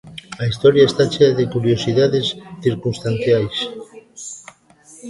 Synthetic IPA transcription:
aist̪oɾjaest̪at͡ʃeaðekuɾjosiðaðesθiɾkunst̪an̟θjajs

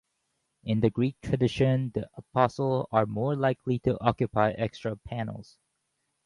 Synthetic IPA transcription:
ɪ̃nðɨɡɹik̚tʰɹ̥ɨdɪʃɨ̃nðḭəpʰɑsl̩ˠzə˞mɔɹlaɪkʰlitʰɨʔɑkjɨpaɪʔɛkstɹ̥əpʰæn̰l̩ˠz̥

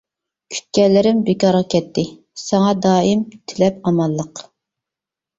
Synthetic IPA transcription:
kʲʰy̥t̪̚kʲɛlːɪɾɪmbekɑɾʁɑkʲʰɛt̪ʰːɪ | sɛŋɑd̪ɑːimt̪ʰɪlɛp̚ɑmɑlˠːəq

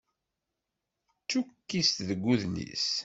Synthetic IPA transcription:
t͡sːukːist̪ðəɡʷːuðnḭs

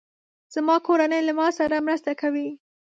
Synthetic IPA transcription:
z̥amɑkoɾanəjlamɑsaɾamɾast̪akawi

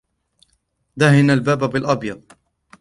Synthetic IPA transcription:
d̪aɦɪnalbaːbabɪlʔɑbjɑd̪ˤ

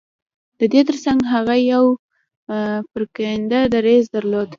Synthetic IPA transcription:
d̪̥əd̪et̪əɾsaŋɡɦaɣajaw | pəɾkand̪ad̪aɾezd̪əɾlod̪

